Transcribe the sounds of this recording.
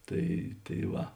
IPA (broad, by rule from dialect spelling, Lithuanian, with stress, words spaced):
ˈtɐɪ tɐɪ ˈʋɐ